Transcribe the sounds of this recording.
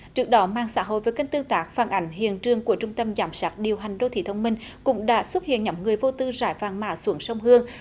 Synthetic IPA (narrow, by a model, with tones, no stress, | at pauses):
t͡ɕɨ˦˥ək̚ɗɔ˨˦maː˧˩ŋsaː˧˥ɦo̰˧˨jvə˨˩ka˧ŋ̟t̪ɨ˧əŋt̪aː˦˥k̚faː˨˩nʔa˨˦jŋ̟ɦḭ˧˨ənt͡ɕɨ˧˩əŋku˧˩ət͡ɕʊ˧ŋ͡mt̪ə˧mzaː˨˩˦msaː˦˥t̚ɗi˨˩əwɦa˨˩jŋ̟ɗo˧t̪ʰḭ˧˩t̪ʰə˧wŋ͡mmï˧ŋ̟kʊ̰˧˥ŋ͡mɗa̰ː˧˥swə˦˥t̚hḭ˧˨ənɲɔ˨˦wŋ͡mŋɨ˨˩əjvo˧t̪ɨ˧zaː˧˩jvaː˨˩ŋmaː˧˩su˨˦əŋsə˧wŋ͡mhɨ˧əŋ